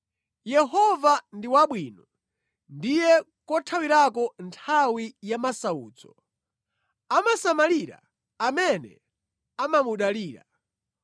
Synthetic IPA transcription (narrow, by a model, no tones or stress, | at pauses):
jɛɦɔvandiwaɓwinɔ | ndijɛ | kɔtʰawiɾakɔntʰawijamasauːt͡sɔ̥ | amasamaliɾa̰ː | mɛnɛ̰ | amamuɗaliːɾa̰